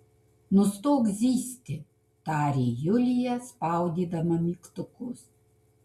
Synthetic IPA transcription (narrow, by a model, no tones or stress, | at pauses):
nʊst̪oːɡzʲiːsʲt̪ʲɪ | t̪ɑːɾʲeːjʊlʲɪjɛspɑˑʊd̪ʲiːd̪ɐmɐmʲiːkt̪ʊkʊs